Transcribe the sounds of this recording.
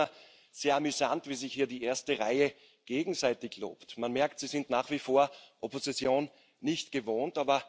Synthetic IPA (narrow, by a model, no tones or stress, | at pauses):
ɐ | z̥eːɐamyzantv̥iːzɪçhiːɐdiːʔeːɐstəʁaɪə | ɡ̥eːɡŋ̩zaɪtɪçlo̰ːptmanmɛɐktz̥iːzɪntnaːχv̥iːfoːɐʔopozit͡sjoːnː | ɪçtɡ̥əvoːntaːbɐ